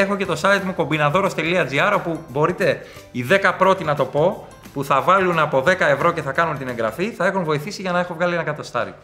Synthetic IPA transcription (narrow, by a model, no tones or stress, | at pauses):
e̞xo̞ce̞t̪o̞sɐit̪muko̞mbinɐðo̞ɾo̞st̪e̞liɐd͡ziɐɾo̞pubo̞ɾit̪e̞ | iðe̞kɐpɾo̞t̪inɐt̪o̞po̞ | puθɐvɐlunɐpo̞ðe̞kɐe̞vɾo̞ce̞θɐkɐnunt̪ine̞ŋɡɾɐfiθɐe̞xunvo̞iθisiʝɐnɐe̞xovɣɐlienɐkɐt̪o̞st̪ɐ̰ɾḭ